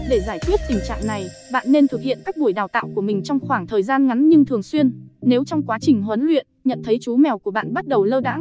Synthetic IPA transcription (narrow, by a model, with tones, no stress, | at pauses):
ɗe˧˩zaː˧˩jk̪ʰwi˦˥t̚t̪ï˨˩ŋt͡ɕa̰ː˧˨ŋna˨˩j | ɓa̰ː˧˨nːe˧nt̪ʰɨ˨˩k̚hḭ˧˨ənkaː˦˥k̚ɓu˧˩əjɗaː˨˩wt̪a̰ː˧˨wku˧˩əmï˨˩ŋ̟t͡ɕɔ˧wŋ͡mxwaː˧˩ŋt̪ʰəː˨˩jzaː˧nŋa˨˦nɲɨ˧ŋt̪ʰɨ˨˩əŋswi˧ənne˨˦wt͡ɕɔ˧wŋ͡mkwaː˨˦t͡ɕï˨˩ŋ̟ɦwə˨˦nlwḭ˧˨ənɲə̰˧˨nt̪ʰə˨˦jt͡ɕu˨˦mɛ˨˩wku˧˩əɓa̰ː˧˨nɓa˦˥t̚ɗə˨˩wləː˧ɗa̰ː˧˥ŋ